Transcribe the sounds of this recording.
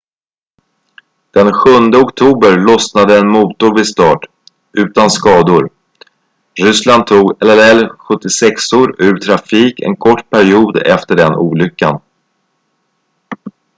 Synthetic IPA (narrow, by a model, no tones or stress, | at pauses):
d̪̥ɛnɧɵnd̪əɔkt̪ʰuːbəɾlɔsnad̪əɛnmuːt̪ʊɾvɪst̪ɑːʈ | ʉ̟ːt̪anskɑːd̪ʊɾ | ɾʏsland̪̚t̪ʰːuːɡɛlːɛlɛlːɧɵt̪ːɪsɛksoːɾʉ̟ːɾt̪ʰɾafiːkɛ̰nkʰɔʈːpʰæɾɪuːd̪ɛ̰ft̪əɖɛnṵːlʏkːan